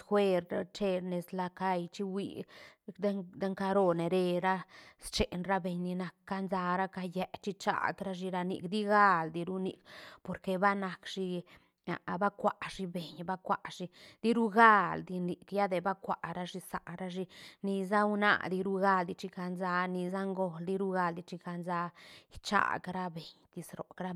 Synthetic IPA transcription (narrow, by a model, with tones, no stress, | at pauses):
sxwe˧ɾa˧t͡ʃe˧ɾne˨sla˧ka˧jt͡ʃi˦wḭ˧d̪a˦d̪a˦ŋka˧ɾo˦˧ne˨ɾe˧ɾa˦st͡ʃe˨nɾa˦be˨ɲni˧na˨kːa˧nza˧ɾa˦ka˧jɛ˧˦t͡ʃi˦t͡ʃa̰˨d̪ɾa˦ʃ̬i˧ɾa˧nḭ˧kd̪i˦ɡa˦˧ld̪i˧ɾu˦nḭ˨kpo˨ɾke˧ba˦na˨kʃi˧ | a̰˨ba˦kʷa˨ʔʂi˧be˨ɲba˦kʷa˨ʔʃi˧d̪̥i˦ɾu˦ɡa˦˧ld̪i˧ni˨kja˦d̪e˧ba˦kʷa˨ʔɾa˦ʂi˧sa˨ʔɾa˦ʃi˧ni˧z̬a˦wna̰˧˨d̪i˧ɾu˦ɡa˦ld̪i˧t͡ʃi˧ka˧nza˧ni˧za˦ŋɡo˧ld̪i˧ɾu˦ɡa˧ld̪i˧t͡ʃi˧ka˧nza˧t͡ʃa̰˦˨ɡɾa˦be˨ɲt̪i˧sɾo̰˨kɾa˦